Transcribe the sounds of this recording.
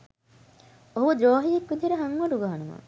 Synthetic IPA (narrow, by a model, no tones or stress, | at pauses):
oɦud̪ɾoːɦijekːud̪ʱeɾəɦaŋʋɐɖuɡaːanuma̰